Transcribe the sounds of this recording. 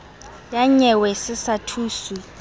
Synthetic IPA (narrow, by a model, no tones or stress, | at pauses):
jaɲɛwɛsɪsatʰuːsu